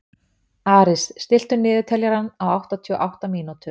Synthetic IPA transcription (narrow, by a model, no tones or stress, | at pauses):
aːɾɪsːt̪ɪl̥t̪ʏnɪːðʏt̪ʰɛljaɾanːawawht̪at̪ʰiːɔ̰ʔawht̪amiːnut̪ʏ